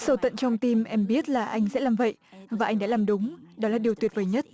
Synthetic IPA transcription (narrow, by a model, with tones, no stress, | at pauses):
sə˧˩wt̪ə̰˧˨nt͡ɕɔ˧wŋ͡mt̪i˧mʔɛ˧mɓi˦˥ət̚laː˨˩ʔa˧jŋ̟sɛ̰˧˥laː˨˩mvə̰˧˨jvaː˨˩ʔa˧jŋ̟ɗa̰ː˧˥laː˨˩mɗʊ˨˦ŋ͡mɗɔ˨˦laː˨˩ɗi˨˩əwt̪wi˨˩ət̚vəː˨˩jɲə˦˥t̚